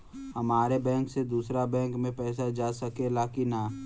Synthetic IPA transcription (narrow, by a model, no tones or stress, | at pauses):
hɐmaːɾebɛ̃ːŋksed̪uːsɾabɛ̃ːŋkmẽpɛːsad͡ʒaːsɐkelaːkinaː